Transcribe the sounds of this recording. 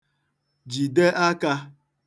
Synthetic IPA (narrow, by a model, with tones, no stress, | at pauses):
d͡ʒi˨de˦ʔa˦ka˧